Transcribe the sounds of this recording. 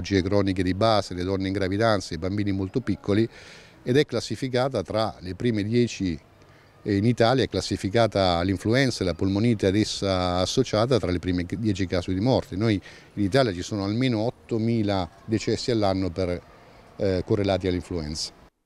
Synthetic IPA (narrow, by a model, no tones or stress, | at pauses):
d͡ʒiːekɾɔːniked̪ibaːseled̪ɔnːeiŋɡɾavid̪ant̪saibambiːnimolt̪opikʰːoli | ed̪ɛkːlasːifikaːt̪at̪ɾalepɾiːmed̪jɛːt͡ʃi | init̪aːljaɛkːlasːifikaːt̪aːlːiɱfluɛnt̪saelapolmoniːt̪ad̪esːaːsːot͡ʃaːt̪at̪ɾalepɾiːmed̪jɛːt͡ʃikaːsed̪imɔrt̪enoj | init̪aːljat͡ʃisoːnoalmeːnoɔt̪ːomiːlad̪et͡ʃɛsːialːanːoper | korːelaːt̪̬ialːiɱfluɛnt̪sḁ